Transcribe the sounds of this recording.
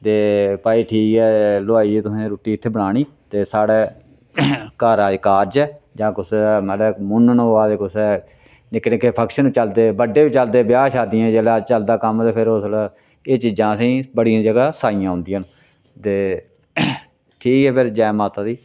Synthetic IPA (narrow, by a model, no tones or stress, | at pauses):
t̪eːpaːiːʈʰiːkɛːlʊaːiːɛt̪ʊsẽːɾoːʈiːɪt̪ʰːeːbəɽaːɳ̃iː | t̪eːsaːɽeː | kaːɾaːkaːɾd͡ʒɛːd͡ʒãːkʊsmət̪ləmʊnnɦoːaːt̪eːkʊsɛː | nɪknɪkːeːpʰəkʃənit͡ʃəld̪eːbəɖːeːbit͡ʃəld̪eːbɪjaːʃaːd̪ɪãːd͡ʒeːlaːt͡ʃəld̪aːkəmt̪eːpʰɪɾoːslː | eːt͡ʃiːd͡ʒãːsĩːbəɽɪjãːd͡ʒəɡaːsaːijãːɦʊ̃nd̪ɪjãːn | t̪eː | ʈʰiːkɛːpʰeɾd͡ʒɛːmaːt̪aːd̪iː